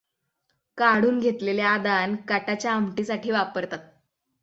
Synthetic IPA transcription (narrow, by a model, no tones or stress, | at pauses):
kaɽuːnɡʱet̪leljaːd̪ankaʈat͡ɕjaəmʈisaʈʰiːʋapəɾt̪at̪̚